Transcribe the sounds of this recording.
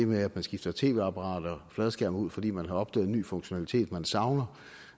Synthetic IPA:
emeæd̥mænsɡ̥ifd̥ɐt͡sʰe̝̰ːʋe̝ɑ̈pʰɑʁɑ̈ːd̥ɐflɛð̩ˠsɡ̥æɐmuð̰ˠfɒ̽d̥ḭːmænɦɑ̈ɒ̽b̥d̥ɛ̰ːðˠeny̰ːfɔ̽ŋɕo̝nælit͡sʰe̝̰ːd̥mænsɑ̈ʊnɐ

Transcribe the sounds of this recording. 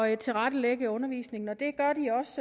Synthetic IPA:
t͡sʰe̝lʁɑɾ̥əleɡ̥əɔ̽nɐʋḭːsne̝ŋn̩ɒ̽d̥e̝ɡ̥ɶɐd̥iɒ̽s

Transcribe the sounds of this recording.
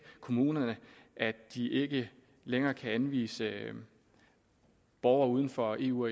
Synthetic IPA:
kʰo̝muːnɐnəʔæd̥iʔe̝ɡ̥ə | leŋɐːkʰæænʋḭːsə | b̥ɒʊɐuð̞ˠən̩fɒ̽e̝̰ːuɒ

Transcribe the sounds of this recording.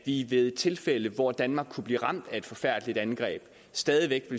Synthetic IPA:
ʋiʋe̝ðˠt͡sʰe̝lfel̰əʋɒd̥ænmɑ̈ːɡ̥kʰub̥lḭːʁɑ̈m̰d̥æe̝d̥fɒ̽fæɐ̰d̥əlid̥ænɡ̥ʁɛ̰ːb̥ | sd̥ɛːðˠiʋeɡ̥ʋe̝

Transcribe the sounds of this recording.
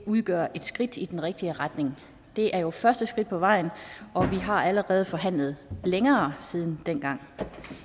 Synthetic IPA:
uð̞ˠɡ̥ɶːɐ̰ʔe̝d̥sɡ̥ʁid̥id̥enʁɛɡ̥̚d̥iəʁɑd̥ne̝ŋ | d̥e̝ʔæɐjo̝fɶɐsd̥əsɡ̥ʁid̥̚pʰɒ̽ʋɑ̈ɪ̰nɒ̽ʋiɦɑ̈æləʁɛːð̞̩ˠfɒ̽ɦæn̰lð̞̩ˠleŋɐːsið̞ˠn̩d̥enɡ̥ɑ̈ŋ̰

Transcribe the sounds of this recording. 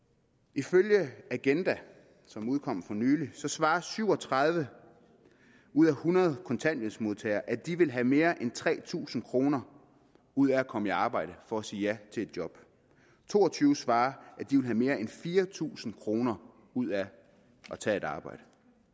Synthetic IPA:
iføljəæɡ̥end̥æ | sɒ̽muð̞ˠkʰɒ̽m̰fɒ̽nyːlisɒ̽sʋɑ̈ːsyʊɒt͡sʰʁɑð̞ˠʋə | uð̞̰ˠæhunɐð̞̩ˠkʰɒ̽nt͡sʰæn̰eðsmo̝ð̞ˠt͡sʰɛ̰ːɪɐʔæd̥iʋe̝lɦæme̝ːɐʔent͡sʰʁɛ̰ːt͡sʰṵːsn̩kʰʁo̝ːnɐ | uð̞̰ˠæækʰɒ̽miɑ̈ːb̥ɑ̈ɪ̰ɾ̥əfɒ̽æsiːjæt͡sʰe̝e̝d̥̚djɒ̽b̥ | t͡sʰo̝ːɒt͡sʰyːʊsʋɑ̈ːʔæd̥iʋe̝lɦæme̝ːɐenfiːɐt͡sʰṵːsn̩kʰʁo̝ːnɐ | uð̞̰ˠæ | ʔɒt͡sʰɛ̰ːe̝d̥ɑ̈ːb̥ɑ̈ɪ̰d̥ə

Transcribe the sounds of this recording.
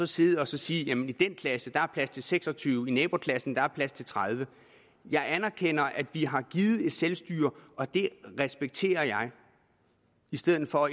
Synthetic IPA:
sɒ̽se̝ːð̩ˠɒ̽sɒ̽siːjæmenid̥enkʰlæsəd̥ɑ̈æɐpʰlæst͡sʰe̝lseɡ̥sɒ̽t͡sʰyːʊinɛːb̥o̝kʰlæsn̩d̥ɑ̈æɐpʰlæst͡sʰe̝lt͡sʰʁɑð̞ˠʋə | jɑ̈ɪænæɐkʰen̰ɐʔæd̥ʋiɦɑ̈ɡ̥iːð̩ˠe̝d̥selsd̥y̰ːɐɒ̽d̥e̝ʁɛsb̥eɡ̥̚t͡sʰe̝̰ːɐjɑ̈ɪ | isd̥eð̰̩ˠfɒ̽

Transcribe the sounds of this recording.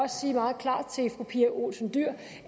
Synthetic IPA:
ɒ̽ssiːmɑ̈ːð̞̩ˠkʰlɑ̰̈ːd̥̚t͡sʰe̝lfʁupʰiːɐʔo̝̰ːlsənd̥yɐ̰

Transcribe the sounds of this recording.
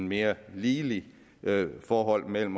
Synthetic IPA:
nme̝ːɐliːli | fɒːɦɒ̽l̰mel̰m̩

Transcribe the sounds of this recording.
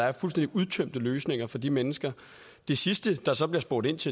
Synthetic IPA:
ɑ̈æɐfulsd̥end̥iʔuð̞ˠt͡sʰøm̰d̥əløːsne̝ŋɐfɒ̽d̥imenəsɡ̥ɐ | d̥e̝sisd̥əd̥ɑ̈sɒ̽b̥liɐsb̥o̝ɐːɾ̥e̝n̰t͡sʰe̝

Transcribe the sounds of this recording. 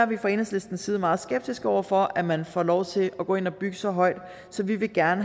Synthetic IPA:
ɐʋifɑe̝ːneŋsle̝sd̥n̩siːð̞ˠmɑ̈ːð̞̩ˠsɡ̥eb̥̚d̥isɡ̥ɒʊ̰ɐfɒ̽ʔæmænfɒlɒʊt͡sʰe̝lʔɒɡ̥ɔ̰o̽ːe̝nɒb̥yɡ̥əsɒ̽ɦɒ̽ɪ̰d̥ | sɒ̽ʋiʋe̝ɡ̥æɐnə

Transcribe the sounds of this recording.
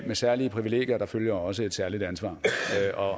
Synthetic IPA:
mesæɐliəpʰʁiʋile̝̰ːɡ̥jɐd̥ɑ̈føljɐɒ̽səe̝d̥sæɐlid̥ænsʋɑ̰̈ːʔɒ̽

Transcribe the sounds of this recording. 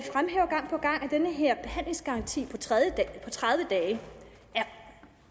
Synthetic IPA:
fʁamɦeːʊɐɡ̥ɑ̈ŋ̰pʰɒ̽ɡ̥ɑ̈ŋ̰æd̥enəɦeɐ̰b̥e̝hæn̰le̝ŋsɡ̥ɑ̈ʁɑ̈nt͡sʰḭːpʰɒ̽jəpʰɒ̽t͡sʰʁaðˠjəd̥ɛː

